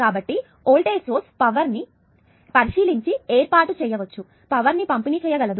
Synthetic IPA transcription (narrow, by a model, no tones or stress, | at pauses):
kaːbɐʈːi | oːlʈeːsoːɾspɐʋɐɾni | pɐɾiʃiːliɲt͡ʃieːɾpaːɾʈut͡ʃɛːjɐʋɐt͡ʃːu | pɐʋɐɾnipɐmpiniːt͡ʃɛːjɐɡɐlɐd̪u